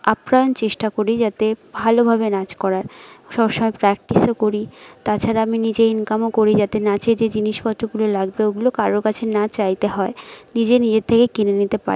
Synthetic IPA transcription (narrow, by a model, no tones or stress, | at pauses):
apɾaont͡ɕeʃʈakoɾid͡ʑat̪ebʱalobʱabenad͡ʑkɔɾaɾʃɔbʃɔmɔepɾɛk̚ʈisokoɾit̪at͡ɕʰaɾaaminid͡ʑeinkamokoɾid͡ʑat̪enat͡ɕed͡ʑed͡ʑiniʃbʱɔt̪ʰːɾoɡulolaɡ̚beoɡulokaɾokat͡ɕʰenat͡ɕajt̪eɦɔenid͡ʑenid͡ʑeɾt̪ʰːekekinenit̪epa̰ɾ